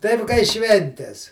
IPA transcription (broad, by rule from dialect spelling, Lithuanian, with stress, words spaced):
ˈtɐɪp kɐɪ ˈʃʲʋʲɛnʲtʲɛs